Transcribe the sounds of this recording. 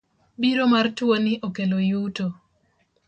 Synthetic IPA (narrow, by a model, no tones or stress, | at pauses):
biɾomartwoniʔokelojuto